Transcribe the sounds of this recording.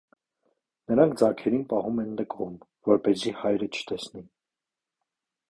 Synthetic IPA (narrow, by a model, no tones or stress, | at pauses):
nəɾɑŋk̚ʰd͡zɑkʰɛɾinpɑhumɛnləkʰɔmvɔɾpɛzihɑjɾət͡ʃʰə̥t̪ɛsni